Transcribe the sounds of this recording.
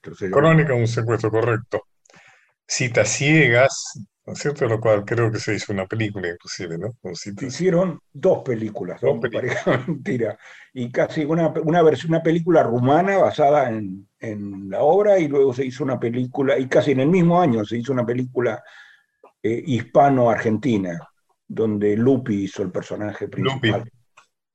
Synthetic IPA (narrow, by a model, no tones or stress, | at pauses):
t̪ɾosekolonikauns̬ekwest̪ɾoko̞rek̚t̪o̞ | sit̪asjeɣaskosjeɾt̪olokwalkɾeokeseisounape̞likulaiŋklusiβenounsit̪isje̞ɾo̞nd̪o̞spe̞likulazðosppaɾexament̪iɾaikasiunapunaβeɾsunapelikularumanaβasaðaen | enlao̞βɾailwe̞ɣo̞s̬e̞isounapelikulaikasiene̞lmizmo̞aɲo̞se̞is̬ounape̞likula | eʔispano̞aɾxe̞nt̪ina | ðo̞nd̪elupiiso̞elpeɾso̞naxepɾiual